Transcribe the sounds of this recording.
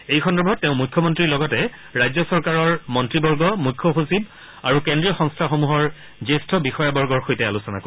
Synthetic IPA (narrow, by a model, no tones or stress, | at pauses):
ejkʰɔndɔbʱɔtːɛʊ̃mujkʰːɔmɔntɹiɹlɔɡɔtɛ | ɹajzɔsɔɹkaɹɔɹmɔntɹibɔɹɡɔmujkʰːɔxusib | aɹukendɹijɔxɔ̃ŋstʰaxomuɦɔɹ | zestʰɔbixɔjabɔɹɡɔɹxojtɛalusɔna̰ko